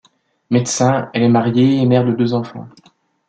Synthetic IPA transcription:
met̪sɛ̃ɛlɛmaʁjeːmɛʁd̪əd̪øzɑ̃fɑ̰̃

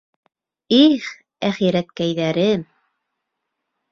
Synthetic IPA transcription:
iχ | æχiɾæt̪̚kæjðæɾɘm

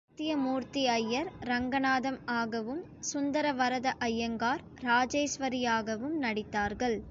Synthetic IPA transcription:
t̪ːɪjɐmuːɾt̪iɐjːɐɾɾɐŋɡɐnaːðɐmaːɣɐʋɯm | sʊnd̪ɐɾɐʋɐɾɐðɐʔɐjːɐŋɡaːɾ | ɾaːd͡ʒɐːsʋɐɾijaːɣɐʋɯmnɐɽɪt̪ːaːɾɣɐɭ

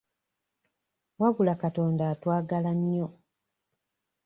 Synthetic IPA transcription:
waβulakato̞ːndaːtwaːɡalaɲːo

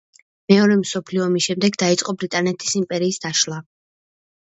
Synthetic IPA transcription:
mɛɔɾɛmsɔpʰliɔmisʃɛmd̪ɛɡd̪ait̪sʼqʼɔbɾit̪ʼanɛt̪ʰi̥simpʼɛɾiːsd̪̥aʃlˠa

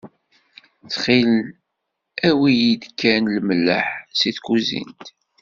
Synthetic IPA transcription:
θχil | æwijid̪kːænləmlːə̰ħsiθkuzḭnt̪

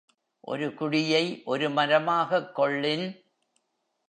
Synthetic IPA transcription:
ʔɔ̰ɾɯkʊɽɪjɐɪʔɔɾɯmɐɾɐmaːɣɐkːɔɭːɪn

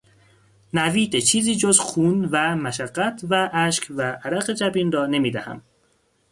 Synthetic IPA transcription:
næviːd̪et͡ʃʰiːziːd͡ʒozxuːnvæmæʃæɢːæt̪ʰvæʔæʃkvæʔæɾæɣe̞d͡ʒæbiːnrɒːne̞miːd̪æhæ̰m

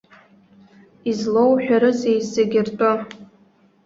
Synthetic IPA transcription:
izlowħᶣaɾɨzejzːeɡʲɪrtʼɨ

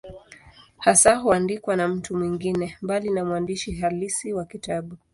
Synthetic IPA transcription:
hasaɦuandikwanam̩tumwiŋɡinɛmbalinamuwandiʃiɦalisiwakitaɓu

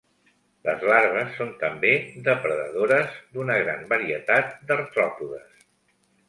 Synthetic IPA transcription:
lə̰zlaɾβəsːont̪əmbeðəpɾəðə̰ðoɾəzd̪unəɣ̞ɾambəɾiət̪at̪̚d̪ərt̪ɾɔpuðəs

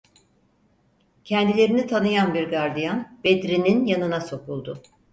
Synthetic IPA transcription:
cʰɛnd̪ilʲe̞ɾinit̪ʰanɯjanbiɾɡaɾd̪ijanbed̪ɾininjanɯnaso̞kulˠd̪ʊ

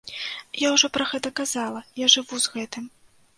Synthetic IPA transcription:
jawʐɔpɾɐɣɛt̪ɐkazalˠɐjaʐɨvuzɣɛt̪ɨm

